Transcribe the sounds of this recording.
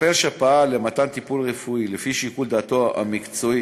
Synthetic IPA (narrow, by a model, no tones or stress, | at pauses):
elʃapaale̞mat̪ant̪ipulʁefuilefiʃikuld̪aːt̪o̞a̰mikt͡soi